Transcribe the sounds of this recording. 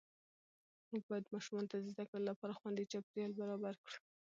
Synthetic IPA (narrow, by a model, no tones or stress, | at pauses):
muɡ̚bɑjad̪mɑʃumɑnot̪ad̪əzd̪akɽəlolapɑɾaxwand̪et͡ʃap̚ɾjɑlbaɾɑbaɾkɽu